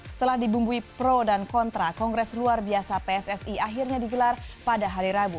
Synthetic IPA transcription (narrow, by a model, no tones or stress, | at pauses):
sə̥t̪əlahdibumbuipɾodankɔnt̪ɾakɔŋɡɾɛsluarbiasapeɛsɛsiaɦirɲadiɡəlarpadaɦaɾiɾabu